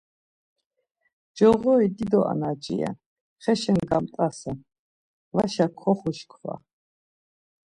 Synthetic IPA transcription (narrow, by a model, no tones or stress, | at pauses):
d͡ʒɔʁɔid̪id̪ɔʔa̰nad͡ʒḭja̰ | χɛʃɛnɡamt̪ʼasa | vaʃakʰɔχuʃkʰwa̰